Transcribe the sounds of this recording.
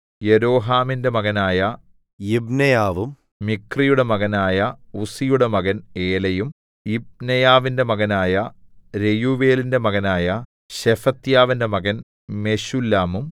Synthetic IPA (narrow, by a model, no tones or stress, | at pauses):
je̞ɾo̞ːɦaːminde̞mɐɣɐnaːjɐ | ibnɐjaːʋum | mikrijuɽe̞mɐɣɐnaːjɐusijuɽe̞mɐɣɐne̞ːlɐjum | ib̚nɐjaːʋinde̞mɐɣɐnaːjɐɾe̞juʋe̞ːlinde̞mɐɣɐnaːjɐ | ɕefɐt̪jaːʋinde̞mɐɣɐn | me̞ɕulːaːmum